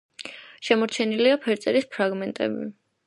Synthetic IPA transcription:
ʃɛmɔɾt͡ʃʰɛniliapʰɛɾt̪sʼɛɾispʰɾaɡmɛnt̪ʼɛ̰bi

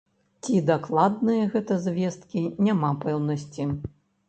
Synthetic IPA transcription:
t͡sʲid̪aklˠad̪nɨjɐɣɛt̪ɐzʲvʲɛst̪̚kʲinʲamapɛwnɐsʲt͡sʲi

